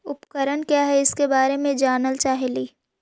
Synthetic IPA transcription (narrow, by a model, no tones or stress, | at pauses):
ʊpkəɾəɽkjaːɦɛɪskebaːɾemẽd͡ʒaːnəlt͡ʃaːɦeliː